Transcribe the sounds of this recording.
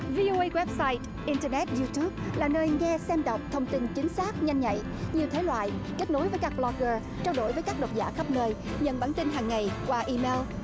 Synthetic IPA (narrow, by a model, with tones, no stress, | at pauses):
vi˧ʔo˧ʔə˧jɣwɛ˦˥p̚saː˧jt | ʔi˧ntəː˧nɛ˦˥t̚zu˧t̪u˦˥p̚laː˨˩nəː˧jŋɛ˧sɛ˧mɗə˨˩wk͡p̚t̪ʰə˧wŋ͡mt̪i˧nt͡ɕi˨˦ŋ̟saː˦˥k̚ɲa˧jŋ̟ɲa̰˧˨j | ɲi˨˩ət̪ʰe˨˦lwa̰ː˧˨jke˦˥t̚no˨˦jvəː˨˦jkaː˦˥k̚blɔ˧ɣəː˧ | t͡ɕaː˧wɗo˧˩jvəː˨˦jkaː˦˥k̚ɗə˨˩wt̚za̰ː˧˩xə˦˥p̚nəː˧j | ɲə̰˧˩nɓaː˧˩nt̪ï˧nɦaː˨˩ŋːa˨˩jkwaː˧ʔi˧me˧l